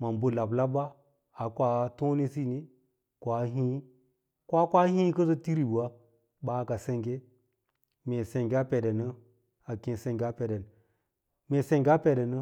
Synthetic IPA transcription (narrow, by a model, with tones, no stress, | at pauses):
ma˨mbu˦la˨bla˦ba˦ | a˨kʷa˨˦to˦ni˦si˦ni˦ | kʷa˨˦ɦĩ˦ | kʷa˦kʷa˦hĩ˦kə˦zo˦ti˦ɾi˨bu˨a˦ | ɓa˨˦ka˨se˦ŋɡe˦ | me˨se˨ŋɡe˦a˦pe˨de˨nə˦ | a˨kĩ˨n˨se˦ŋɡʲa˦pe˨de˨n | me˨se˨ŋɡʲa˦pe˨de˨nə˦